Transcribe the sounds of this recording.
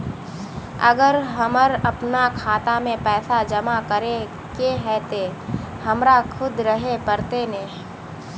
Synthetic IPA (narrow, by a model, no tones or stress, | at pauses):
ə̰ɡəɾɦəməɾɐpnakʰaːt̪amẽpɛːsad͡ʒəmakəɾe | keɦɛːt̪e | hɐmɾakʰʊd̪ɾəɦepəɾt̪enẽː